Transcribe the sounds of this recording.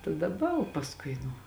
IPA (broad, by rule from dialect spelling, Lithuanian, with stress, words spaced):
tɐ dɐˈbɐ oː pɐsˈkʊɪ nʊ